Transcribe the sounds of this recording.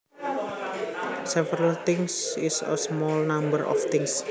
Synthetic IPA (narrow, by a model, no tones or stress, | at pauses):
sɛvəɾəlt̪ɪŋsɪsə̰smɔlnambəɾʔɔ̰ft̪ɪŋs